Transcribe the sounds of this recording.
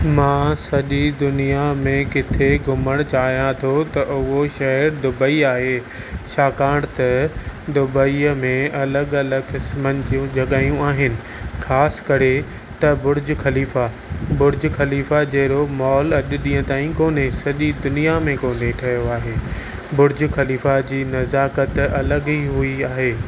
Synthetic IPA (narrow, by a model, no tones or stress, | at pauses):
mãːsɐʄid̪ʊnijamẽkɪt̪ʰeɡʱʊməɽ̃t͡ɕaːɦijãt̪ʰot̪ɐʔʊɦoʃɐɦɛɾd̪ʊbəiaːɦeː | ʃaːkaːɽ̃t̪ɐd̪ʊbəimẽɐləɠɐləɡkɪsmənd͡ʑijũd͡ʑʱɐɠaːijũaːɦɪnɪ̆ | xaːskɐɾe | t̪ɐbʊɾɪd͡ʑxɐliːfa | bʊɾɪd͡ʑxɐliːfad͡ʑɐɦɾomɔːlɐʄʊɗĩːə̃t̪aːĩkoːnesɐʄid̪ʊnijamẽkoːneʈʰɐɦjoaːɦeː | bʊɾd͡ʑxɐliːfad͡ʑiːnɐzaːkət̪ɐləɡiɦʊiaːɦeː